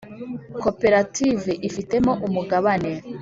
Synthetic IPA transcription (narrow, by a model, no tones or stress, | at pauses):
ko̞pe̞ɾativeʔifite̞mo̞ʔumuɡaβane̞